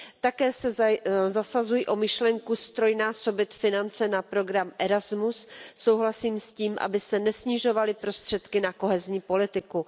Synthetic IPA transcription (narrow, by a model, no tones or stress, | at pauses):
t̪akɛːsɛzasazujiʔo̞mɪʃlɛŋkust̪ɾo̞jnaːso̞bɪt̪fɪnant͡sɛnapɾo̞ɡɾamʔɛɾazmusːo̞wɦlasiːmsciːmʔa̰bɪsɛnɛsɲɪʒo̞valɪpɾo̞st̪r̝̥ɛt̪kɪnako̞ɦɛzɲiːpo̞lɪt̪ɪku